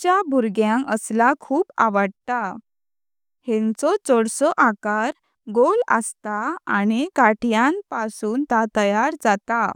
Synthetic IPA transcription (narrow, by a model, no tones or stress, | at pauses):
t͡ɕjabʱuɾɡjãŋəslakʰuːpa̰ʋəɽt̪a | hẽnt͡sɔt͡sɔɽsɔʔakaɾ | ɡolə̰st̪aa̰ñikaʈjãnpasuːnt̪at̪əjaɾd͡zat̪a